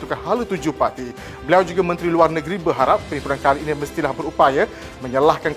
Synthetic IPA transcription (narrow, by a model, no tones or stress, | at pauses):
t̪ukanhalət̪ud͡ʒuhpart̪i | bəliawd͡ʒuɡamə̃nt̪ɾiluarnəɡɾibəɦaɾap̚ːənimpuɾankaliːniməst̪ilahbəɾupaja | mə̃ɲəlahkank